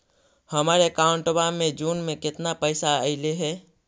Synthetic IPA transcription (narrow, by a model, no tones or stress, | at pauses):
həmaːɾekaːʊ̃ɳʈobammːẽd͡ʒuːnmẽkɪt̪napəɪsaəɪleɦɛː